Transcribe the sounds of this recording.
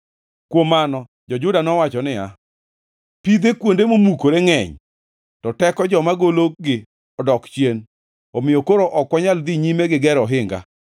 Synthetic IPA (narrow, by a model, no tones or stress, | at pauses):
kwomːanɔ | d͡ʒɔd͡ʒʊdanɔwat͡ʃɔnɪja | pid̪ekwondemomukoɾeŋɛɲ | tɔtɛkɔd͡ʒɔmaɡolok̚ɡɪ | ɔdɔkt͡ʃjen | ɔmɪjokoɾoʔɔkːwaɲald̪iɲimeɡɪɡɛɾɔɦɪŋɡa̰